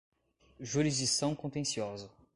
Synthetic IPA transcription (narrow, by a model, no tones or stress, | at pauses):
ʒuɾizd͡ʒisɐ̃w̃kõt̪ẽsiɔzɐ